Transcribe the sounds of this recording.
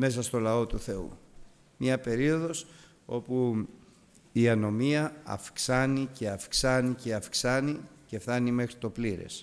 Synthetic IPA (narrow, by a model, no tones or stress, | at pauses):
me̞sɐst̪o̞lɐo̞t̪uθe̞ṵ | mɲɐpe̞ɾio̞ðo̞s | o̞pu | iɐno̞miɐɐ̰fksɐnice̞ɐfksɐnice̞ɐfksɐnice̞fθɐnime̞xɾit̪o̞pliɾe̞̰s